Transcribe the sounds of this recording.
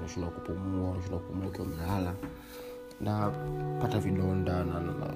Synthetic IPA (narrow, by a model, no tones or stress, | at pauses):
mɛʃundawakupumuamɛʃ̬undawakupumuakiwamilala | napataviɗɔndanana̰na̰